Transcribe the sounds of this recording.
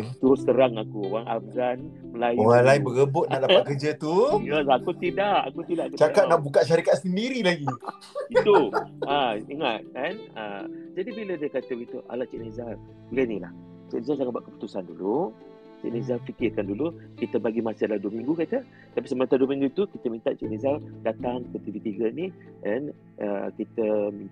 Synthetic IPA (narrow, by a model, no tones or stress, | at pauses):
aɡit̪uɾʊskəɾaŋakuoɣaŋʔab̚ɡan | məlajoɣaŋlaɪnbəɣəbʊt̪̚naʔlaaʔ̚kəd͡ʒat̪ujəlakut̪idaʔa̰kut̪idaʔkət͡ʃakat̪̚naʔbukaʔʃaɾikat̪̚səndiɾilaɡi | it̪uaiŋat̪̚kanad͡ʒadibilədiakat̪əwit̪uʔa̰laʔt͡ʃɛʔnezar | uɡanila̰h | t͡ʃɛ̰ʔnezars̬aŋaʔbaʔkəpu̥t̪usandulu | t͡ʃɛ̰ʔnezarfikirkandulukit̪əbaɡimasədaladuəmĩŋɡukat̪ə | t̪apisəmãnt̪aduəmĩŋɡuit̪ukit̪əmĩnt̪aʔt͡ʃɛʔnezardat̪aŋkət̪ət̪ivit̪iɡənikan | əkit̪əmi